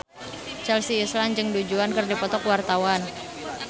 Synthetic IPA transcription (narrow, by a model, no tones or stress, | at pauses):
t͡ʃɛlsiːslaŋd͡ʒɨŋdud͡ʒuankɨrdipɔt̪ɔkwart̪awan